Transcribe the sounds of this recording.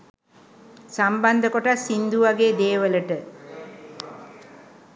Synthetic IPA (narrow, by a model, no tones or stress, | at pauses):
samband̪əkoʈasind̪uʋaɡeːd̪eːʋələʈə